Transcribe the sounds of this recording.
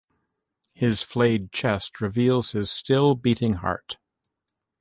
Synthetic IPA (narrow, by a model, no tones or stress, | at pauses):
hɪz̥fleɪd̚t͡ʃʰɛst̚ɹɨvilˠz̥hɨz̥stɪlˠbiɾɪ̃ŋhɑ̰ɹt